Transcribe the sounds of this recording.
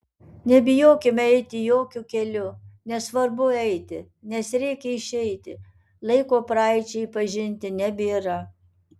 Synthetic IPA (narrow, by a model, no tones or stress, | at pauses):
nʲɛbʲɪjoːkʲɪmʲɛɪt̪ʲɪjoːkʲʊkʲɛlʲʊnʲɛsʋɐɾbʊɛɪt̪ʲɪ | nʲɛsɾʲɛɪkʲɛɪʃʲɛɪt̪ʲɪ̰ | lˠɐɪkoːpɾɑˑɪt͡ʃʲɛɪipɐʒʲɪnʲt̪ʲɪnʲɛbʲɪiɾɐ